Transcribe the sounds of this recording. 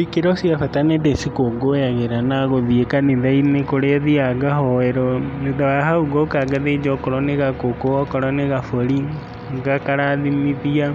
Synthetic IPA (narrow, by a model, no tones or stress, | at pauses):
ikeɾɔsiafatanedesikoɡojaɣeɾanaɣoðiekaneðainekoɾeaðiaɡaɦɔɛɾɔneðawaɦauɡɔkaɡaðed͡ʒɔkɔɾɔneɣakokoɔkɔɾɔneɣafoɾi | ŋɡakaɾaðimiðia